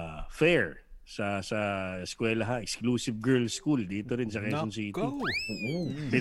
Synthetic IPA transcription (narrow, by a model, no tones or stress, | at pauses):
fɛɹsɐsɐskwɛːlɐɦaʔɛkskluːsɪvɡɛɹlskuld̪iːt̪oɾɪns̬ɐkɛonsiːt̪ʊ | pɪ